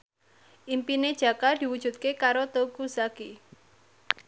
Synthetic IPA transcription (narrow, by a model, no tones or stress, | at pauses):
ʔimpined̥ʒ̥ä̤kad̪̥i̤wud̥ʒ̥ṳt̪̚kekaɾot̪okusaki